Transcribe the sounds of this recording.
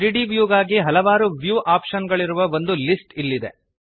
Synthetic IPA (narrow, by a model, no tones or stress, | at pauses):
ɾiɖiʋjuːɡaːɡiɦɐlɐʋaːɾuʋjuːʔaːpʃɐnɡɐɭiɾuʋɐʋo̞nd̪ulisʈilːid̪e